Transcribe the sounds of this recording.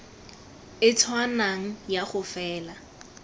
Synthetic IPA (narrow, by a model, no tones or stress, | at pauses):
ɪtʰwanaŋ̩jaχʊfɛːla